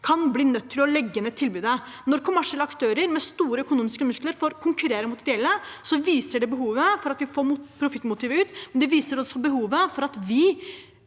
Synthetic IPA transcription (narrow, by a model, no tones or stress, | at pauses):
kʰɑnbliːnœt̪ʰːɪlɔlɛɡːənɛt̪ʰːɪlbʉːd̪ə | nɔɾkʰʊmæʂɪɛləɑkt̪ʰøːɾəɾmɛst̪uːɾəœkʊnuːmɪskəmʉskləɾfɔɾkʰʊŋkʉɾeːɾəmʊt̪ɾɪɛlːəsɔʋiːsəɖɛbəɦuːʋəfɔɾɑt̪ʋɪfoːpʰɾʊfɪt̪ːmʊt̪ɪːʋəʉːt̪mɛnd̪ɛʋiːsəɾɔsːɔbəɦuːʋəfɔɾɑt̪ʋɪ